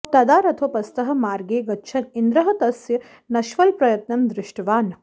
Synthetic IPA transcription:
t̪ɐd̪aːɾɐt̪ʰopɐst̪ɐɦɐ̆maːɾɡeːɡɐtːʃʰɐnind̪ɾɐɦɐt̪ɐsjɐ | nɐʃʋɐlpɾɐjɐt̪nɐmd̪ɾɪʂʈɐʋaːn

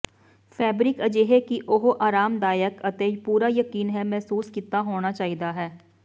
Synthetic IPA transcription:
fʰɛːbɾɪkəd͡ʒeːɦekiʔoɦoʔaːɾaːmd̪aːjəkət̪eːd͡ʒpuːɾajəkiːnɦɛmɛɦsuːskit̪aɦoːnat͡ʃaːid̪aɦɛː

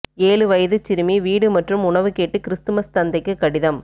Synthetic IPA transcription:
eːlɯʋɐjɐðɯt͡ʃɪɾɯmiʋiːɽɯmɐʈrɯmʊɳɐʋɯkeːʈːɯkɪɾɪst̪ɯmɐst̪ɐnd̪ɐɪkːɯkːɐɽɪðɐm

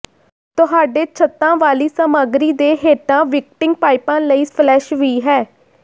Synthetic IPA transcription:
t̪ʊɦaːɖeːt͡ʃʰət̪ːãːʋaːliːsəmaːɡɾiːd̪eːɦeːʈãːʋɪk̚ʈɪ̃ŋɡpaːɪpãːləiːpʰlɛːʃʋiːɦɛː

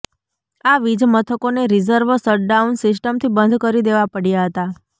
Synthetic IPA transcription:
aʋid͡ʒmət̪ʰəkoneɾizəɾʋəsəɾʈɖaunsɪsʈəmt̪ʰibənd̪ʱkəɾid̪eʋapəɽjaɦət̪a

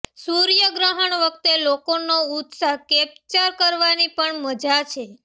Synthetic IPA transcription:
suɾjəɡɾəɦəɳʋək̚t̪elokonout̪saɦkep̚t͡ʃaɾkəɾʋanipəɳməd͡ʒat͡ʃʰe

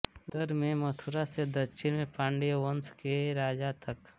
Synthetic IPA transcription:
d̪əɾmẽmət̪ʰʊɾased̪ɐʃʰɪnmẽpãːɳɖeʋənskeɾaːd͡ʒat̪ɐk

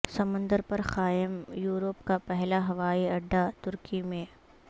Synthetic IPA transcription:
sɐmə̃nd̪əɾpɐɾxaːjɪmjuːɾopkapɛɦlaɦɐʋaːiɐɖːat̪ʊɾkimẽː

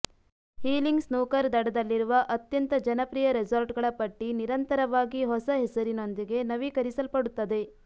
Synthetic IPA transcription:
hiːliŋɡsnuːkɐɾd̪ɐɽɐd̪ɐlːiɾuʋɐʔɐt̪jɐnt̪ɐd͡ʒɐnɐpɾiːjɐɾed͡ʒɐɾʈɡɐɭɐpɐʈːiniɾɐnt̪ɐɾɐʋaːɡiɦɔsɐɦesɐɾino̞nd̪iɡe̞nɐʋiːkɐɾisɐlpɐɽut̪ːɐd̪e̞

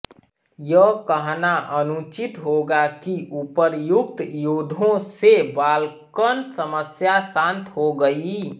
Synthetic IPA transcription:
jəkəɦnaʔənut͡ʃɪt̪ɦoɡakiʔupəɾjʊkt̪jod̪ʱõsebaːlkənsəməsjasãnt̪ʰɦoɡəi

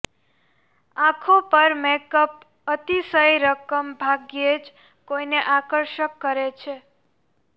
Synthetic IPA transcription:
ãkʰopəɾmekəp̚ | ət̪isəjɾəkəmbʱaɡjed͡ʒ | koineʔakəɾʃəkːəɾet͡ʃʰe

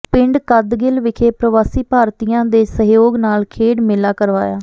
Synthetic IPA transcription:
pɪ̃ɳɖkəd̪ɡɪlʋɪkʰeːpɾəʋaːsiːpaːɾt̪ijãːd̪eːsəɦjoːɡnaːlkʰeːɽmɪlaːkəɾʋa̰ːja̰ː

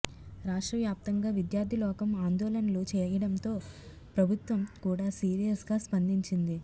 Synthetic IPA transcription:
ɾaːʂʈɾɐʋjaːp̚t̪ɐŋɡaːʋid̪jaːɾd̪ʱilɔːkɐmaːnd̪ɔːlɐnɐloːt͡ʃɛːjɐɽɐnt̪o̞ː | pɾɐbʱut̪ʋɐmkuːɽaːsiːɾijɐsɡaːspɐnd̪iɲt͡ʃind̪i

